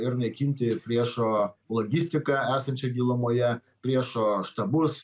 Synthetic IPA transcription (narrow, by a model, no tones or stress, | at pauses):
ɪɾnɐɪkʲiːnʲt̪ʲɪpʲɾʲiɛʃoːlˠoːɡʲisʲt̪ʲɪkɑːæːsɐnʲt͡ʃʲɛɡʲiːlˠʊmoːjɛ | pʲɾʲiɛʃoːʃt̪ɐbʊs